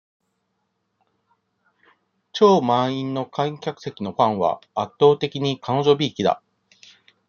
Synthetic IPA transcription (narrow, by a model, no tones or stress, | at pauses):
t͡ɕo̞ːmãĩnːo̞kʰãĩŋkʲakɯ̟̥se̞kʲino̞kãɰ̃βa̰ːt̪ːo̞ːt̪e̞kʲiɲ̟ikʰano̞ʑo̞bʲiːkʲid̪a̰